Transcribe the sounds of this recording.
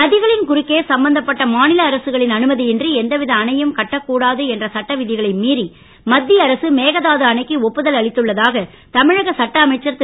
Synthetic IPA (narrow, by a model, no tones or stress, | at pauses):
nɐðɪɣɐɭɪnkʊɾɪkːeːsɐmbɐnd̪ɐpːɐʈːɐmaːnɪlɐːɾɐsɯɣɐɭɪnɐnɯmɐðijɪndriɛnd̪ɐʋɪðɐːnɐjɯmkɐʈːɐkːuːɽaːðɯɛndrɐsɐʈːɐʋɪðɪɣɐɭɐɪnmiːɾi | mɐd̪ːiɐɾɐsɯmeːɣɐðaːðɯɐnɐɪkːiɔpːɯðɐlɐɭɪt̪ːɯɭːɐðaːɣɐ | t̪ɐmɪɻɐɣɐsɐʈːɐːmɐɪt͡ʃːɐɾt̪